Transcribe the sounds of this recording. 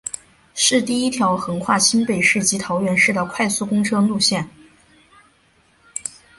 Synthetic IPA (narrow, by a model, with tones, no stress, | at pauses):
ʂɻ̩˥˧t̪i˥˩i˥t̪ʰjɑ˧˥ʊxɤ˧˥ŋkʰwa˥˩ɕi˥npe˨˩ɪʂɻ̩˥˩t͡ɕi˧˥t̪ʰɑ˧˥ʊɥɛ˧˥nʂɻ̩˥˩d̪ə˩kʰwa˥˧ɪsu˥˩kʊ˥ŋʈ͡ʂʰɤ˥ŋlu˥˧ɕjɛ˥˩n